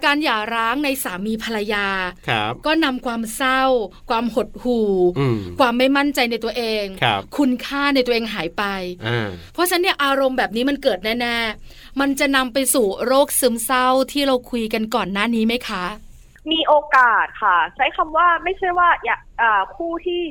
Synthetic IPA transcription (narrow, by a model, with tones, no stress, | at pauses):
kaː˧njaː˨˩ɾaː˦˥ŋna˧jsaː˩˦miː˧pʰa˧ɾa˧jaː˧kʰpkɔː˥˩na˧mkʰwaː˧msa˥˩wkʰwaː˧mho˨˩t̪̚huː˨˩kʰwaː˧mːa˥˩jma˥˩nt͡ɕa˧jna˧jt̪u˧ɐʔeː˧ŋʰ˦kʰu˧nkʰaː˥˩na˧jt̪u˧˦ʔeː˧ŋɦaː˩˦jpa˧jpʰɾɔ˦˥t͡ɕʰa˦˥nːi˥˩ɐʔaː˧ɾo˧mbɛː˨˩p̚niː˦˥ma˧nkɤː˨˩t̪̚nɛː˥˩nɛː˥˩ | ma˧nt͡ɕa˨˩na˧mpa˧jsuː˨˩ɾoː˥˩k̚sɯ˦˥msa˥˩wt̪ʰiː˥˩ɾa˧wkʰu˧jka˧nkɔː˨˩nːaː˥˩niː˦˥ma˦˥jkʰa˦˥ʔ | miː˧ʔoː˧kaː˨˩t̪̚kʰa˥˩t͡ɕʰa˦˥jkʰa˧mwaː˥˩ma˥˩jt͡ɕʰa˥˩əjwaː˥˩ja˨˩ | ʔaː˨˩kʰuː˥˩t̪ʰiː˥˩